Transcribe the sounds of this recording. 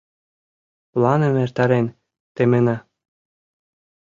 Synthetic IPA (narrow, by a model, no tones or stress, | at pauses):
lˠɑnɤ̆mert̪ɑɾenʲ | t̪emɘ̆nɑ